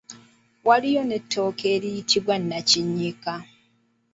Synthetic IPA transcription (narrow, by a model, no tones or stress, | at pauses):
walijo̞netːo̞ːkeːɾijitiβwanːaciɲːika